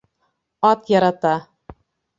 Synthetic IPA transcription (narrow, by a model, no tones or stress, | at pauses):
ɑt̪jɑɾɑt̪ɑ